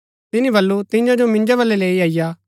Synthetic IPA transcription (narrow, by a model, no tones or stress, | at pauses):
t̪ɪnĩbɐlːut̪ɪ̃jãd͡ʒomɪ̃nd͡ʒaβɐlːɛleːiaːɪjaː